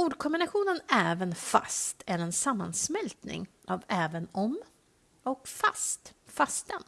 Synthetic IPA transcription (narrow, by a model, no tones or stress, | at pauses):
uːɖkʰɔmbɪnaɧuːnənɛːvənfa̰st̪ʰæɾɛnsamːa̰nsmɛlt̪nɪ̰ŋʔavɛːvənɔm | ɔkfast̪fast̪ən